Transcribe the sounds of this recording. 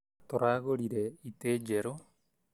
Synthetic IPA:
t̪oɾaɡoɾiɾeit̪ed͡ʒeɾo

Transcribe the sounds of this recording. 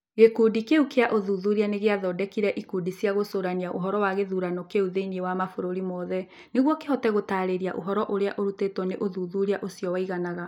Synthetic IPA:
ɣekuːdikeukeaʔoðuðuɾianeɣeaðɔdɛkiɾɛʔikudisjaɣosoɾaniaʔo̰ɦɔɾɔwaɣeðuɾanɔkeuðeniewamafoɾoɾimɔðɛ | neɣwɔkehɔtɛɣotaːɾeɾia̰ʔo̰ɦɔɾɔʔoɾea̰ʔoɾutetwɔneʔoðuðuɾiaʔosiɔwaiɣanaɣa

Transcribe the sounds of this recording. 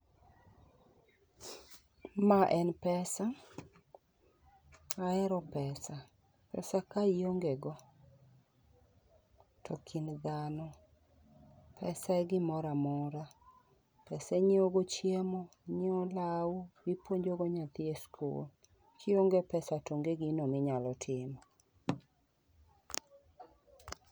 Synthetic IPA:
maʔɛnpɛsa | aɛɾɔpɛsa | pɛ̰sakaijoŋɡeɡɔ | tʰɔkʰind̪anɔ | pʰɛsaɛɡɪmɔɾamɔɾa | pɛsɛɲɪoɡot͡ʃjemɔ | ɲɪɔlauɡɪpwoɲd͡ʒoɡɔɲat̪ɪeskʰṵl | kʰioŋɡepɛsatoŋɡeɡinomɪɲalɔtʰɪmɔ

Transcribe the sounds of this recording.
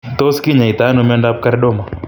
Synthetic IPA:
t̪oskiɲait̪anumɛɳɖap̚kaɾɗɔma

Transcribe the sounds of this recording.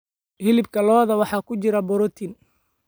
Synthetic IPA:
hɪlɪbkʰɐlɔːðɐwɑħɑːkʰʊt͡ʃɪɾɐbɔɾɔt̪ʰin

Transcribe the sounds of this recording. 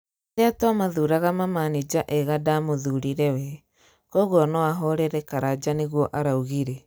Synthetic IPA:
deatwamaðuɾaɣamamanid͡ʒaʔɛɣadamoðuɾiɾɛwɛ | koɣɔnɔwaɦɔɾɛɾɛkaɾad͡ʒaneɣwɔʔaɾauɣiɾɛ

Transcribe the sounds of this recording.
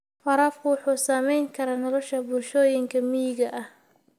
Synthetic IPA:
fɑɾaːfkʰʊwʊħuːsaːmɛjŋkʰɐɾaːnɔlɔʃɐbʊlʃɔːjɪŋkʰɐmijɪɣɐʔɐh

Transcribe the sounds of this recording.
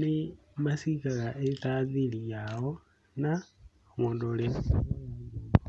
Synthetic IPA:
nimasikaɣaʔɛtaðilijaɦɔ | na | ŋɔndɔɺɛ

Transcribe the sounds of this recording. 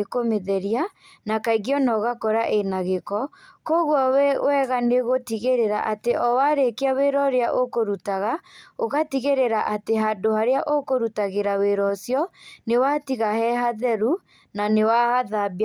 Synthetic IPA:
ekomeðɛɾia | nakaiɣiɔnɔɣakɔɾaʔenaɣekɔkoɣwɔwɛɣaneɣotiɣeɾeɾaʔateʔɔwaɾekeaweɾɔɾeaʔokoɾutaɣaoɣatiɣeɾeɾaʔateɦandohaɾeaʔokoɾutaɣeɾaweɾɔsjɔnewatiɣahɛɦaðɛɾu | nanewaɣaðab

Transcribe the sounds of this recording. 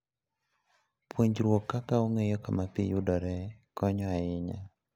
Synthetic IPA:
pwoɲd͡ʒɾwokːakaoŋejɔkamapijʊdɔɾɛkɔɲɔaɪɲa

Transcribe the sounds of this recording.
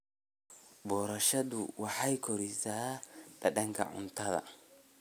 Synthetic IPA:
bɔːɾɐʃɐðʊwɑħajkʰɔɾisaːd̥ɐɗɐŋkʰɐ̰ʕʊ̰nt̪ɐðɐ̰

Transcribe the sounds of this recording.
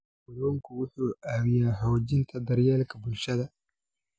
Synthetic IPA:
wʊlɔːŋkʰʊwʊħuːʔaːwɪjaːɦɔwd͡ʒɪnt̪ʰɐd̪ɐɾjɛːlkʰɐbʊlʃɐðɐ

